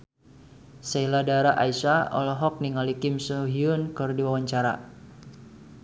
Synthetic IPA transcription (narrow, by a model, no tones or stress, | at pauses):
seiladaɾaʔaisaɔ̰lɔɦɔk̚niŋalikɪmsuɦiunkɨrdiwawaɲt͡ʃaɾa̰